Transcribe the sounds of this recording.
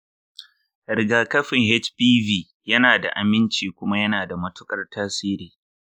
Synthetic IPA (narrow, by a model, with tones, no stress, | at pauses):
ɾɪ˨ɡaː˨kɐ˦ɸɪ˨ŋhɛ˦t͡ʃpiː˦viː˨ | jɐ˦naː˨da̰˨ʔa˨mɪ˦nt͡ʃiː˨kʷʊ˦ma˦jɐ˦naː˨da˨mɐ˦tʊ˦kʼɐ˨rtaː˦siː˦ɾiː˨